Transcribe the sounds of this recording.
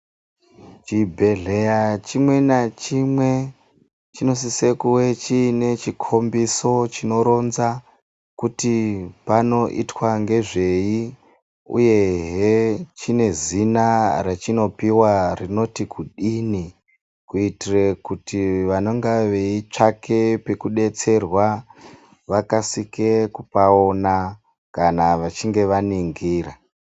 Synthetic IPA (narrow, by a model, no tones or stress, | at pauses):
t͡ʃibʱe̞ɮejat͡ʃimwe̞nat͡ʃimwe̞ | t͡ʃino̞sisekuwe̞t͡ʃiːne̞t͡ʃikʰo̞mbiso̞t͡ʃino̞ɾo̞nza | kutipano̞ʔḭtwaŋɡe̞ʐe̞ji | ṵje̞ɦet͡ʃine̞zinaɾat͡ʃino̞piwarino̞tikuɗini | kuitirekutiʋanoŋɡaʋe̞it͡ʂakʰe̞pekuɗe̞t͡se̞rwa | ʋakasikekupaona | kanaʋat͡ʃiŋɡe̞ʋaniŋɡiːra